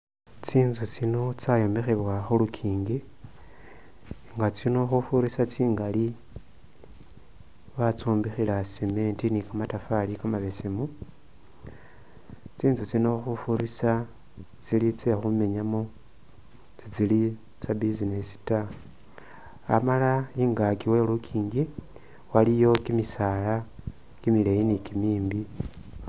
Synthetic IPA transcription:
t͡siːnzut͡sino̞t͡sajo̞mexeβwaxulukʰiːŋɡi | ŋɡat͡sino̞xufuɾisat͡siːŋɡali | βat͡suːmbixilaseme̞ntinikamatafalikamaβe̞semu | t͡siːnzut͡sinoxufuɾisa | t͡silit͡sexume̞ɲamo | t͡sit͡sili | t͡sabizinesi̥ta | a̰malaiːŋɡakiwe̞lukʰiːŋɡi | walijo̞kimisala | kimilejinikimiːmbi

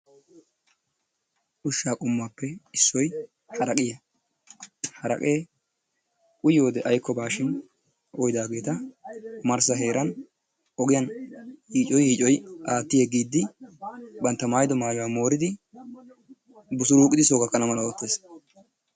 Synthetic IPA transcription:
ʔʊʃːaːkʼʊmːaːpːɛɪsːɔj | hɐɾɐkʼɪjɐ | hɐɾɐ̰kʼe̞ː | kʼʊjoːd̪ɛʔɐjkʰːɔbaːʃɪn | ɔjd̪aːɡe̞ːt̪ɐmɐɾsɐɦe̞ːɾɐn | ɔɡɪjɐnhiːt͡ʃʼɔjhiːt͡ʃʼɔjʔaːt̪ːɪjeɡiːd̪ːɪ | bɐnt̪ːɐmaːjd̪ɔmaːjɔaːmo̞ːɾɪd̪ɪ | bʊsʊɾuːkʼɪd̪ɪsoːɡɐkːɐnɐmɐlɐwɔt̪ːeːs

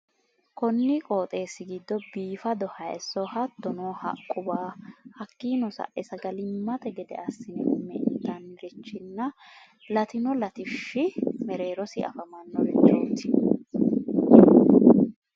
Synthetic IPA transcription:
kɔnːɪkʼoːt̪ʼe̞ːsːɪɡid̪ːɔbiːfɐd̪ɔhɐjɛ̰sːɔhɐt̪ːɔnoːhɐ̰kʼːʊbaːhɐkːiːnɔsɐ̰ʔʔɛsɐɡɐlɪmːɐt̪ɛɡɛd̪ɛ̰ʔɐsːɪnɛkʊmːɛd̪ɐnɾɪt͡ʃːɪnːɐ | lɐt̪ɪnɔlɐt̪ɪʃːɪmɛɾe̞ːɾɔsɪʔɐ̰fɐmɐnːɔɾɛt͡ʃːɐɔt̪ːɪ

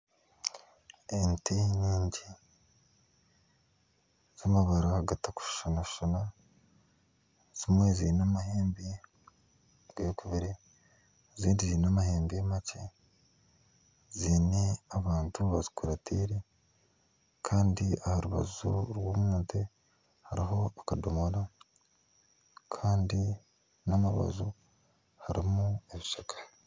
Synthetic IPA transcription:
enteɲiːɲɟi | z̥amaβaɾahaɡataku̥ʃu̥ʃanaʃuʃana | z̥imwe̞zinamaɦeːmbi | ɡejokuβiɾe | ziːndiziinamaheːmbijemace | ziːneaβaːntuβazi̥kuɾatʰiːɾe | kʰaːndiahaɾuβa̰zuɾwoːmwuːnte | haɾiɦo̞akadomoɾa | kʰaːndi | namaβa̰zu | haɾḭmueβiʃakʰḁ

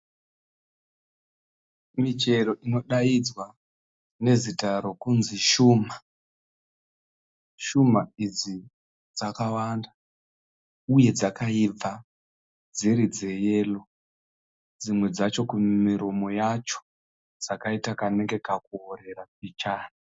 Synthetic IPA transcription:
mit͡ʃe̞ɾo̞ʔino̞ɗaid͡zwa | ne̞zitaɾo̞kunziʃuːma | ʃumaid͡zi | d͡zakawanda | uje̞d͡zakaib͡va | d͡ziɾid͡ze̞je̞ːlo̞ | d͡zimwe̞d͡zat͡ʃo̞kumiɾomo̞jat͡ʃo̥ | d͡zakaitakane̞ŋɡe̞kakuoɾe̞ɾak̚it͡ʃaːna

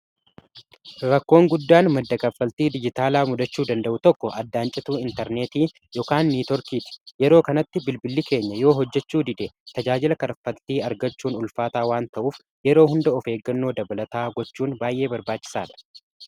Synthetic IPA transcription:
ɾɐkːo̞ːŋɡʊd̪ːaːnmɐd̪ːɐɡɐfːɐlt̪iːd̪ɪd͡ʒɪt̪aːlaːmʊd̪ɐt͡ʃːuːd̪ɐnd̪ɐʔʊt̪ɔkːɔʔɐd̪ːaːnt͡ʃʼɪt̪uːɪnt̪ɐɾne̞ːt̪iː | jɔkaːnːiːt̪ɔɾkiːt̪ɪ̥jɛɾo̞ːkɐnɐt̪ːɪbɪlbɪlːɪke̞ːɲːɐjo̞ːɦɔd͡ʒːɛt͡ʃːuːd̪ɪd̪et̪ɐd͡ʒaːd͡ʒɪlɐkɐɾɐfːɐlt̪iːɐɾɡɐt͡ʃːuːnʊlfaːt̪aːwaːnt̪ɐʔuːf | jɛɾoːhʊnd̪ɐɔfe̞ːɡːɐnːo̞ːd̪ɐbɐlɐt̪aːɡɔt͡ʃːuːnbaːjʔe̞ːbɐɾbaːt͡ʃːɪ̥saːᶑ̪ɐ̥

